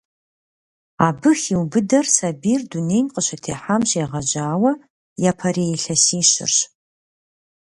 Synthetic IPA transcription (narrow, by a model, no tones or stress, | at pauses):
aːbɨxiwbɨdɐrsabiːrdunejmqəɕɐtʰeːħamʒeːʁɐd͡ʒaːwɐ | japʰɐɾeɬɐsiːʃɪ̰rɕ